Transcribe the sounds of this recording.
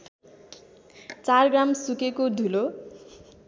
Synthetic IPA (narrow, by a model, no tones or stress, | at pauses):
t͡sarɡramsukekod̪ʱulo